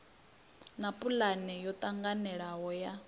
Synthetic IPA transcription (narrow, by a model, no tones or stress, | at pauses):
napʼulanɛjɔt̪ʼaŋɡanɛɺaɦɔja